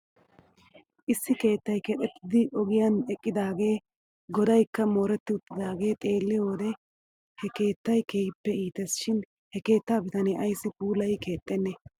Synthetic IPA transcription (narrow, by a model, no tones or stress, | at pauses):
ʔɪsːɪke̞ːt̪ːɐjkɛᶑ̪ʼɛt̪ːɪd̪ɪʔɔɡɪjanɛkʼːɪd̪aːɡe̞ː | ɡɔd̪ɐjkːɐmo̞ːɾɛt̪ːɪʊt̪ːɪd̪aːɡe̞ːt̪ʼe̞ːlːɪjo̞ːd̪ɛ | hɛke̞ːt̪ːɐjkeːjɪpːɛiːt̪ɛsʃɪn | hɛke̞ːt̪ːaːbɪt̪ɐnɛʔɐjsːɪpuːlɐjke̞ːt̪ʼːɛnːɛ